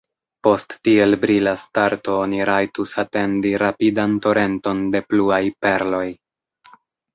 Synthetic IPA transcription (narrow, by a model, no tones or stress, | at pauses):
po̞stːie̞lbɾilastaɾto̞oniɾajtusate̞ndiɾapidanto̞ɾʔe̞nto̞nde̞pluajpe̞ɾlo̞j